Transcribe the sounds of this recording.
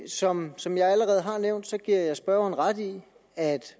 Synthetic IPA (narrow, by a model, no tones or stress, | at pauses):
sɒ̽msɒ̽mjɑ̈ɪæləʁɛːð̞̩ˠɦɑ̈neʊ̰nd̥sɒ̽ɡ̥iɐ̰jɑ̈ɪsb̥ɶɐ̰n̩ʁɑd̥i | æd̥